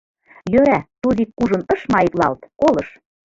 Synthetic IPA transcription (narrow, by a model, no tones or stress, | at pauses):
jøɾæt̪uðikːuʒɤ̆nɤ̆ʃmɑiklɑ̰lt̪kolɤ̆ʃ